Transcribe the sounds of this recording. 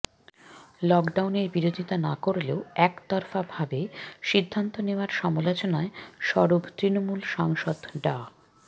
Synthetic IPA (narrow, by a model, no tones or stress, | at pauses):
lɔkɖawneɾbiɾod̪ʱit̪anakoɾleoɛkt̪ɔɾfabʱabeʃid̪ʱːant̪oneoaɾʃɔmolot͡ɕonaeʃɔɾobt̪ɾinomulʃaŋʃod̪ɖa